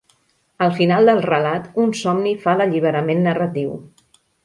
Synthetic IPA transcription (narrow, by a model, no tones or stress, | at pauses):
əlˠfinalˠd̪əlˠrəlat̪unsɔmnifaləʎiβ̞əɾəmenːərət̪iw